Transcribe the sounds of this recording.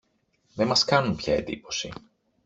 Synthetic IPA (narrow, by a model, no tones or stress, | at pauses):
ðe̞mɐskɐnunpçɐ̰e̞nd̪ipo̞sḭ